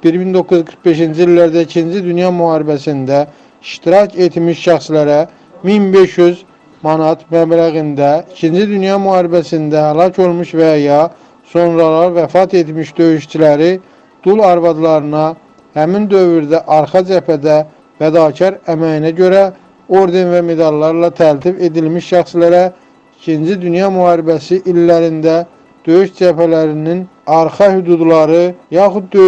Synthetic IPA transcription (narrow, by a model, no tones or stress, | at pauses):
b̥iɾbind̪o̞kːuzkʰɯɾχbe̞ʃind͡ʒiilːæɾd̪æicʰind͡ʒid̪ynjɑmyhɑːɾibæsind̪æ | iʃt̪iɾɑcʰe̞t̪miʃʃæxslæɾæ | minbe̞ʃjyz | mɑnɑt̪mæblæɣind̪æicʰind͡ʒid̪ynjɑmyhɑːɾibæsind̪æhælˠɑcʰo̞lˠmuʃvæjɑ | so̞nɾɑlˠɑɾvæfɑt̪ʰe̞t̪miʃd̪ø̞yʃt͡ʃʰilæɾi | d̪̥ulɑɾvɑd̪lˠɑɾɯnɑ | hæmind̪ø̞vyɾd̪æʔɑɾxɑd͡ʒæpʰæd̪æ | væd̪ɑːcʰɑɾæmæjinæɟø̞ɾæ | o̞ɾd̪e̞nvæme̞d̪ɑlˠːɑɾlɑt̪ʰælt̪ʰife̞d̪ilmiʃʃæxslæɾæ | icʰind͡ʒid̪ynjɑmyhɑːɾibæsiʔilːæɾind̪æ | d̪̥ø̞jyʃd͡ʒæpælæɾinin | ɑɾxɑhyd̪ud̪lˠɑɾɯjɑxud̪̚ːø